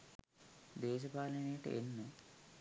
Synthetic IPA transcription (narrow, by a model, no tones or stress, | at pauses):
d̪ɛːʃ̬ɐpaːlɐneːʈenːu